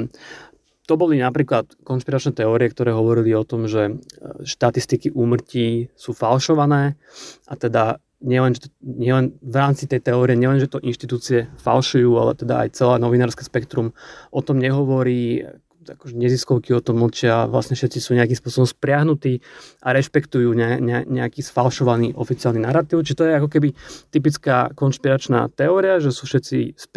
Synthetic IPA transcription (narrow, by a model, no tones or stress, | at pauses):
t̪ɔbɔlinapɾiːklat̪kɔnʃpiɾat͡ʃnɛt̪ɛɔːɾiɛk̚t̪ɔɾɛːɦɔʋɔɾiliɔt̪ɔmʒɛʃt̪at̪ist̪ikiʔuːmr̩ciːsuːfalʃɔʋanɛː | ʔat̪ɛd̪a | ɲɪɛlɛnʒɛt̪ɔɲɪɛlɛnʋɾaːmt͡sit̪ɛjt̪ɛɔːɾiɛɲɛlɛnʒɛt̪ɔʔinʃt̪it̪uːt͡siɛfa̰lʃujuːa̰lɛ̰t̪ɛd̪a̰a̰jt͡sɛlaːnɔʋinaːɾskɛspɛkt̪ɾumʔɔt̪ɔmɲɛɦɔʋɔɾiː | akɔʒɛɲɛziskɔʊkiɔt̪ɔml̩t͡ʃɪaʋla̰sɲɛfʃɛt̪t͡sisuːɲɛakiːmspʊɔsɔbɔmspɾɪaɦnut̪iːʔaɾɛʃpɛkt̪ujuːɲɛɲɛaɲɛakiːsfalʃɔʋaniːʔɔfit͡sɪalninaɾat̪iːʊt͡ʃiʒɛt̪ɔjɛakɔkɛbit̪ip̬it͡skaːkɔnʃpiɾat͡ʃna̰ːt̪ɛɔːɾiaʒɛsuːfʃɛt̪t͡sḭs